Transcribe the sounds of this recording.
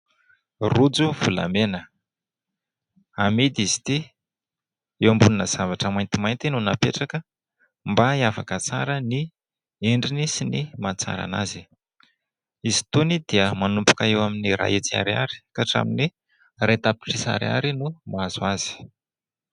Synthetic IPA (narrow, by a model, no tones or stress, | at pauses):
rud͡zuvula̰menə | amid̪izi̥t̪i | ewambuninəz̥avaʈ͡ʂəmajnt̪imajnt̪inunapeʈ͡ʂakə | mbaiafakət͡sa̰ɾəni | eɳɖ͡ʐinisinimat͡sa̰ɾa̰na̰zi | izi̥t̪onid̪̥iəmanumpu̥kaewaminiɾa̰et͡sia̰ɾia̰ɾi̥kaʈ͡ʂa̰mini | rajt̪api̥ʈ͡ʂisa̰ɾia̰ɾinumaazuaz̥i̥